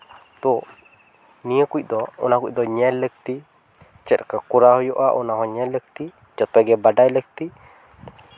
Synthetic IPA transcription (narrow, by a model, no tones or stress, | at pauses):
t̪u | nĩəkuiʔ̚d̪ɔṵnakuḭʔ̚d̪ɔɲɛlːək̚t̪i | t͡ʃɛɾkakuɾaɦɔjɔʔaʔunaɦɔɲɛlːək̚t̪i | d͡ʒɔt̪ɔɡɛbadajlək̚t̪i